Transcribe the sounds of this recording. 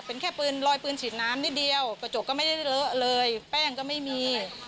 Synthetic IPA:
pe˧nkʰɛː˥˩pɯː˧nlɔː˧jpɯː˧nsiː˨˩t̪̚naː˦˥mni˦˥t̪̚di˧əwka˧˩t͡ɕo˨˩kːɔː˥˩ma˥˩da˥˩jlə˦˥ʔlɤː˧jpɛː˥˩ŋkɔː˥˩ma˥˩jmiː˧

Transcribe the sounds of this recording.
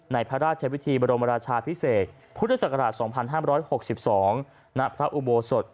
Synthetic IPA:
na˧jpʰɾa˦˥ɾaː˥˩t̪̚t͡ɕʰa˧wi˦˥t̪ʰiː˧bɔː˧ɾo˧mɾaː˧t͡ɕʰaː˧pʰi˦˥seː˨˩t̪̚ | pʰu˦˥t̪ʰːa˧˩sa˨˩ka˧ɾaː˨˩t̪̚sɔː˩˦ŋpʰa˧nɦaː˥˩mɾɔː˦˥jho˨˩k̚si˨˩p̚sɔː˩˦ŋ | na˦˥pʰɾa˦˥ʔu˧˩boː˧so˨˩t̪̚

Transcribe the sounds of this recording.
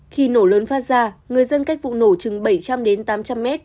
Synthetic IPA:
xi˧˩no˧˩ləː˨˦nfaː˦˥t̚zaː˧˩ŋɨ˨˩əjzə˧nka˦˥k̟̚vṵ˧˨no˧˩t͡ɕɨ˨˩ŋɓə˧˩jt͡ɕa˧mɗe˨˦nt̪aː˨˦mt͡ɕa˧mːɛ˦˥t̚

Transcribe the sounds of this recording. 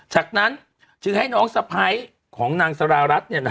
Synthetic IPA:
t͡ɕaː˨˩k̚na˦˥n | t͡ɕɯ˧ŋha˥˩jnɔː˦˥ŋsa˧pʰa˦˥j | kʰɔː˩˦ŋnaː˧ŋsa˧ɾaː˧ɾa˦˥t̪̚ni˥˩n˦

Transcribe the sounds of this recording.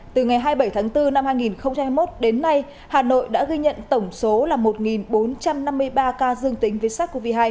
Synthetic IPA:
t̪ɨ˨˩ŋa˨˩jɦaː˧jɓə˧˩jt̪ʰaː˨˦ŋt̪ɨ˧na˧mhaː˧jŋi˨˩nxə˧wŋ͡mt͡ɕa˧mhːa˧jmo˦˥t̚ɗe˨˦nːa˧j | haː˨˩no̰˧˨jɗa̰ː˧˥ɣi˧ɲə̰˧˨nt̪ə˧˩wŋ͡mso˨˦laː˨˩mo˨˩t̚ŋi˨˩nɓo˨˦nt͡ɕa˧mna˧mːɨ˧əjɓaː˧kaː˧zɨ˧əŋt̪ï˨˦ŋ̟ve˨˦jsaː˦˥t̚ko˧˩vi˧˩ɦaː˧j

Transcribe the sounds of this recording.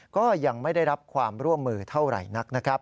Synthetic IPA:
kɔː˥˩ja˧ŋma˥˩jda˥˩jɾa˦˥p̚kʰwaː˧mɾu˥˩əmːɯː˧t̪ʰa˥˩wɾa̰˨˩jna˦˥k̚na˦˥kʰa˦˥p̚

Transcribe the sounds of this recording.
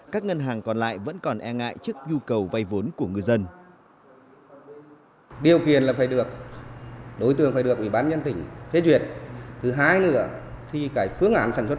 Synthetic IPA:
kaː˦˥k̚ŋə˧nɦaː˨˩ŋkɔ˨˩nla̰ː˧˨jvə̰˧˥nkɔ˨˩nʔɛ˧ŋa̰ː˧˨jt͡ɕɨ˦˥ək̚ɲu˧kə˨˩wva˧jvo˨˦nku˧˩əŋɨ˨˩əjzə˧n | ɗi˨˩əwki˨˩ənlaː˨˩faː˧˩jɗɨ˨˩ək̚ | ɗo˨˦jt̪ɨ̰˧˨əŋfaː˧˩ɗɨ˨˩ək̚ʔwi˧˩ɓaː˧nɲə˧nt̪ï˧˩ŋ̟fe˨˦zwi˨˩˨ət̚t̪ʰɨ˨˩˦ɦaː˧jnɨ̰˧˥ə | t̪ʰi˨˩kaː˨˦jfɨ˧˥əŋʔaː˨˦nsaː˧˩nsw

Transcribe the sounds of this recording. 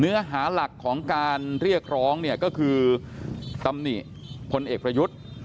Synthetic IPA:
nɯ˦˥ɐɦaː˩˦la˨˩kʰːɔː˩˦ŋkaː˧nɾi˥˩ək̚ʰɾɔː˦˥ŋni˥˩ɐkɔː˥˩kʰɯː˧ | t̪a˧mni˨˩ | pʰo˧nʔeː˨˩k̚pɾa˧ju˦˥t̪̚

